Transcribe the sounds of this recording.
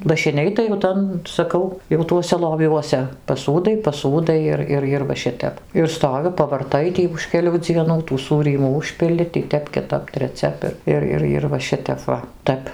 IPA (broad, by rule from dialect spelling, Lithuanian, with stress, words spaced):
lˠɐʃʲɪˈnʲɛɪ tɐɪ jɛʊ ˈtɐn sɐˈkɐʊ jɛʊ ˈtuɔsʲɛ lˠoːˈʋʲuɔsʲɛ pɐˈsuːdɐɪ pɐˈsuːdɐɪ ɪr ˈɪr ɪr ʋɐ ˈʃʲɪtʲɛp ɪr ˈstoːʋʲɪ pɐʋɐrˈtɐɪ ˈtʲiː ʊʃ kʲɛˈlʲuː d͡zʲiɛˈnuː tuː ˈsuːrʲiːmuː ˈʊʃʲpʲɪlʲɪ tʲiː ˈtʲɛp kʲɪˈtɐp tʲrʲɛˈt͡sʲɛp ɪr ˈɪr ˈɪr ˈɪr ʋɐ ˈʃʲɪtʲɛp ˈʋɐ ˈtʲæp